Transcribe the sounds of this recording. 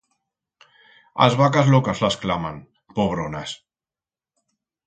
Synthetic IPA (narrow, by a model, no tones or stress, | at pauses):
a̰zβakazlɔkazlasklaman | poβ̞ɾonas